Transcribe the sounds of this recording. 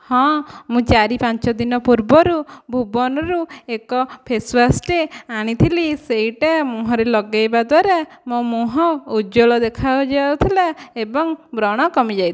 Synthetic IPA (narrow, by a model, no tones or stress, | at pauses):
hɔ̃mũt͡ʃaɾipant͡ʃɔd̪inɔpuɾbɔɾubʱubɔnɔɾuekɔpʰespʰasʈeaɽ̃it̪ʰiliseiʈamũɦɔɾelɔɡajbad̪waɾemõmoɦɔud͡ʒoɭɔd̪ekʰabɔd͡ʒaat̪ʰilaebɔŋbɾɔɽ̃ɔkɔmid͡ʒajt̪ʰi